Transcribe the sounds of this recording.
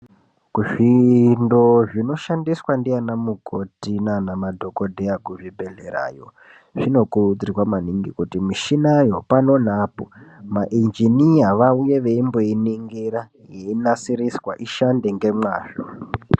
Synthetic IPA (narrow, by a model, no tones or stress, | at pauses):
kuʐindo̞ʐino̞ʃandiswandijanamuɡʱotinanamadʱokodʱejakuʐibʱe̞ɮeɾa̰ːjo̞̰ | ʐino̞kuud͡ziwamaniŋɡikutimiʃinajo̞pano̞n̤aːpomaʔind͡ʒinijaʋaujeʋe̞imbo̞iniŋɡiɾa | jeinasiɾiswa̰ʔiʃande̞ŋɡe̞mwaːʐo̰